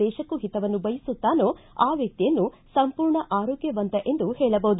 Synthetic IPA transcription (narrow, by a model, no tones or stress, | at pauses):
ɛːʃɐkːuɦit̪ɐʋɐnːubɐjisut̪ːaːnuaːʋjɐk̚t̪ijɐnːu | sɐmpuːɾɳɐʔaːɾɔːɡjɐʋɐnt̪ɐʔe̞nd̪uhɛːɭɐbɐɦud̪